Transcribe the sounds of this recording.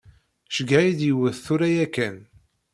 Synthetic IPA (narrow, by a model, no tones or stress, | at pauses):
ʃəɡaid̪jəwəðθuɾæjækːæn